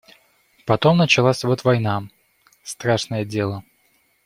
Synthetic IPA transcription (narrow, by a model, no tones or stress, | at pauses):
pɐt̪o̞mnət͡ɕɪlˠasʲvot̪vɐjna | st̪ɾaʂnəjədʲe̞lˠə